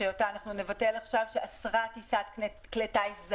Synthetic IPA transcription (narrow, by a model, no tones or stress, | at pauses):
ejot̪aːnaχnune̞vate̞laχʃavʃeasʁatisat̪k | kletaisz